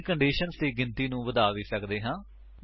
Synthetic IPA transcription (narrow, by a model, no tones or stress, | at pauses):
kəɳɖiːʃənst̪eːɡɪnt̪iːnũːʋəd̪aːʋiːsəkd̪eːɦãː